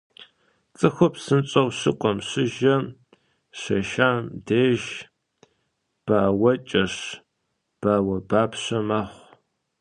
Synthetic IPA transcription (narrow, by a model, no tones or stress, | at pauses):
t͡sʼɨxʷʊpsɨnt͡ʃʼɐwɕɨqʷʼɔmɕɪʒɐ | ɕɐʃaːmdeːʒ | b̥awɐt͡ʃʼɐɕ | b̥aːwɐbaːpɕɐmaːχʷ